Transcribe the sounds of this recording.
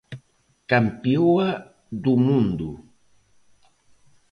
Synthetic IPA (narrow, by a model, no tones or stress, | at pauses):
kampioa | d̪umund̪u